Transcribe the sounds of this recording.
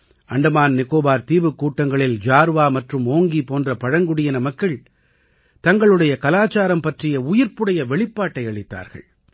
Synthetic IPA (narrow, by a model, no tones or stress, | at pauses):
ɐɳɖɐmaːnnɪkoːbaːɾt̪iːʋɯkːuːʈːɐŋɡɐɭɪld͡ʒaːɾʋaːmɐʈrɯmoːŋɡipoːndrɐpɐɻɐŋɡʊɽɪjɐnɐmɐkːɐɭ | t̪ɐŋɡɐɭɯɽɐjɐkɐlaːt͡ʃaːɾɐmpɐʈrɪjɐʊjɪɾpɯɽɐjɐʋɛɭɪpːaːʈːɐɪɐɭɪt̪ːa̰ːɾɣɐ̰ɭ